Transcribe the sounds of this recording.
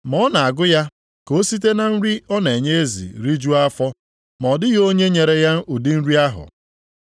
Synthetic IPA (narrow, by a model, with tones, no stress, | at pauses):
mɔ˦na˨a˨ɡʊ˦ja˦ | ko˦si˦t̬e˦na˨n̩˦ɾi˦ɔ˦n˨e˨ɲe˦e˦zḭ˨ɾi˦d͡ʒu˦a˦fɔ˦ | mɔ˨dɪ˦ɣo˦ɲe˦ɲe˨ɾe˦ja˦u˨di˦n̩˦ɾi˦a˦ɦʊ̰˨